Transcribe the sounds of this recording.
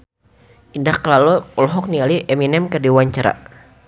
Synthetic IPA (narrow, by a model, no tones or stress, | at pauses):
ʔindahkəlalɔɔlɔɦɔk̚nialiʔɛminɛmkərdiwaɲt͡ʃaɾa̰